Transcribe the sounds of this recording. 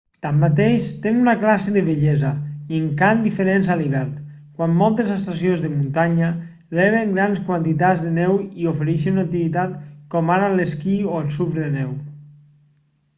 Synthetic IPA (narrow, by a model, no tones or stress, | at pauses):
t̪amːat̪eʃt̪enunaklaseðeβeʎɛzaieŋkand̪ifeɾenzaliβɛɾn | kwamːɔlˠt̪ezest̪asionzðəmunt̪aɲa | lɛβeŋɡɾanskwant̪it̪ad͡zðenɛwiofeɾɛʃenunak̚t̪iβit̪at̪kɔmaɾaleskioelˠsufɾðenɛw